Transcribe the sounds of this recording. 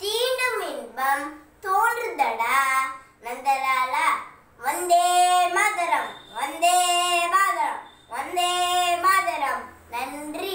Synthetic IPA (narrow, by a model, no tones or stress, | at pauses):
t̪iːnɐminbɐmt̪oːɳd̪ɐɽanɐnd̪ɐɾaːlɐ | ʋond̪eːmaːd̪ɐɾɐmʋond̪eːbaːɡɐɭɐm | ond̪eːmaːd̪ɐɾɐm | nɐnnd̪ɾi